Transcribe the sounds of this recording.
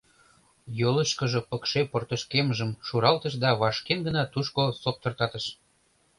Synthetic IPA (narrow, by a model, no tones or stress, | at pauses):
joləʃkəʒɤ̆pəkʃeport̪əʃkemʒəmʃuɾɑlt̪əʃ̬d̪ɑβɑʃkenɡənɑt̪uʃkosok̚t̪ə̆rt̪ɑt̪əʃ